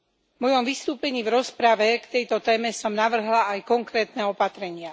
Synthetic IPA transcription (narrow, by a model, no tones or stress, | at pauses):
mɔjɔmʋist̪uːpɛɲiːvɾɔspɾaʋɛkt̪ɛjt̪ɔt̪ɛːmɛsɔmnaʋr̩ɦlaːjkɔŋkɾɛːt̪nɛɔpat̪ɾɛɲɪa